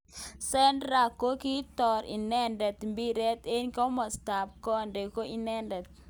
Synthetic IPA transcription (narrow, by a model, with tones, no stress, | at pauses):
sɛ˦ndɾa˨ko˦ki˦tɔ˨ɾḭ˨nɛ˦ndɛ˨t̪mbi˦ɾɛ˦t̪e˦nkɔ˦mɔ˨sta˨p̚kɔ˦nde˨ko˦i˨nɛ˦ndɛ˨t̪̚